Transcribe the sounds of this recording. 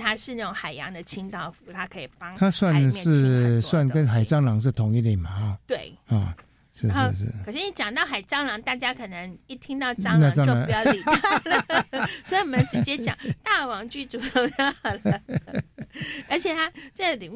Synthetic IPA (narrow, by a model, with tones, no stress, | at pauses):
t̪ʰa˥ʂɻ̩˥˧na˥˩ʈ͡ʂʊ˨˧˦ŋxa˨˩ɪjɑ̰˧˥ŋd̪ə˨t͡ɕʰi˥ŋt̪ɑ˥˩ʊfu̥˧˥˦t̪ʰa˥kʰɤ˧˥i˨˩pɑ˥ŋt̪ʰa˦swa˥˨˧nmɛʂɻ̩˥˧swa˥˩nkə˦nxa˨˩ɪt͡sɑ˥ŋlɑ˧˥ŋʂ̬ɻ̩˥˩t̪ʰʊ˨˧˦ŋi˥˧t̪i˨˩ma˨˩˧t̪we˥˩ɪa̰˧˩ | ʂɻ̩˥˧˨ʂɻ̩̰˥˩kə˨˩ʂɻ̩˥˩ni˧˥t͡ɕjɑ˨˩ŋt̪ɑ˥˩ʊxa˨˩ɪt͡sɑ˥ŋlɑ˧˥ŋt̪a˥˩t͡ɕja˥kʰə˨˩nə˧˦ŋi˥˩t̪ʰi˥ŋt̪ɑ˥˧˩ʊʈ͡ʂɑ˥na˥˧˥jli˨˩ | swɔ˧˥i˨˩ni˨˩mə˧˦nt͡ɕi˧˥t͡ɕjɛ˥t͡ɕjɑ̰˨˩ŋt̪a˥˩wɑ˧˥ŋt͡ɕy˥˩ʈ͡ʂu˨˩o˥˧ɑ˥˧lə˩ | ə˞˧˥t͡ɕʰjɛ˨˩t̪ʰa˥ʈ͡ʂɤ˥˩ɡə˨li˨˩˦